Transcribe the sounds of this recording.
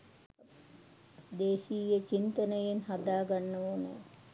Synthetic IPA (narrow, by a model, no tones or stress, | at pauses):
d̪eːsijet͡ʃint̪ənəjenɦad̪aːɡanːəoːnə̰